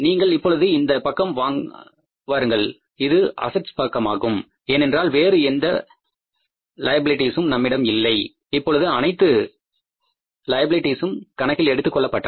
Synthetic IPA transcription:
niːŋɡɐɭɪpːɔɭɯðɯɪnd̪ɐpɐkːɐmʋaːŋ | ʋaːɾɯŋɡɐɭ | ɪðɯʔɐ̰sɐʈspɐkːɐmaːɣɯm | eːnɛndraːlʋeːɾɯɛnd̪ɐ | lɐjɐbɪlɪʈːiːsɯmnɐmːɪɽɐmɪlːɐɪ | ɪpːɔɭɯðɯɐnɐɪt̪ːɯ | lɐjɐbɪlɪʈːiːsɯmkɐɳɐkːɪlɛɽɯt̪ːɯkːɔɭːɐpːɐʈːɐ

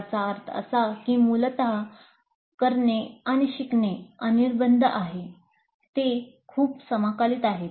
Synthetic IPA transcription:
t͡saːɾt̪ʰə̰sakĩːmult̪a | kəɾɳeaɽ̃iɕikneəniɾbənd̪ʱəʔaɦe | t̪ekʰuːpsəmakaliːt̪aɦe

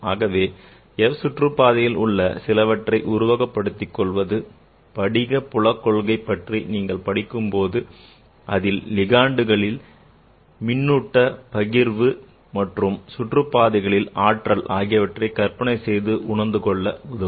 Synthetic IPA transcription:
aːɣɐʋeː | ɛʋsʊʈrɯpːaːðɐjɪlʊɭːɐ̰sɪlɐʋɐʈrɐɪʔʊɾʊʋɐɣɐpːɐɽɯt̪ːɪkːɔɭʋɐðɯ | pɐɽɪɣɐpːʊɭɐkːɔɭɣɐɪpːɐʈriniːŋɡɐɭpɐɽɪkːɯmpoːðɯ | ʔɐðɪllɪɣaːɳɖɯɣɐɭɪl | mɪnːʊʈːɐpɐɣɪɾʋɯ | mɐʈrɯmsʊʈrɯpːaːðɐɪɣɐɭɪlaːʈrɐlʔaːɣɪjɐʋɐʈrɐɪkɐɾpɐɳɐɪsɛjðɯʔʊɳɐnd̪ɯkɔɭːɐʊðɐ

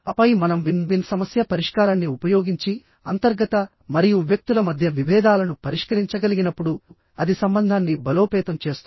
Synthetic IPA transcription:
ɐpɐjimɐnɐmʋinʋinsɐmɐsjɐpɐɾiʂkaːɾaːnːiupɐjoːɡiɲt͡ʃi | ɐnt̪ɐɾɡɐt̪ɐ | mɐɾijuʋjɐk̚t̪ulɐmɐd̪ʱjɐʋiʋɛːd̪aːlɐnupɐɾiʂkɐɾiɲt͡ʃɐɡɐliɡinɐpːuɽu | ɐd̪isɐmbɐnd̪ʱaːnːibɐlo̞ːpɛːt̪ɐmt͡ʃe̞ːst̪u

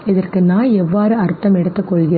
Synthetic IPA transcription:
ɪðɐrkɯnaːɛʋːaːɾɯɐɾt̪ːɐmɛɽɯt̪ːɯkːɔɭɣɪɾ

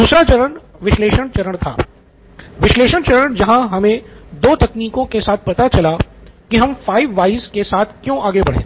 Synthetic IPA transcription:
d̪uːsɾat͡ʃɐɾəɳ | ʋɪʃleːʃəɳ̃t͡ʃɐɾəɳ̃t̪ʰa̰ː | ʋɪʃleːʃəɳ̃t͡ʃɐɾəɳ̃d͡ʒɐɦãɦɐmẽd̪oːt̪ɐkniːkõkesaːt̪̚ʰpɐt̪at͡ʃɐlakiɦɐmfaːɪʋːaːɪskesaːt̪ʰkjõʔaːɡebɐɽ̤ḛ̃ː

